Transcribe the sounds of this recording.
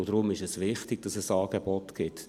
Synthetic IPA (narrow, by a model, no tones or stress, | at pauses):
ʊd̥ɾʊmɪʃɛsʋɪχtɪɡ̥̚d̥ɑsɛsɑːɡ̥ebɔtɡ̥ɪt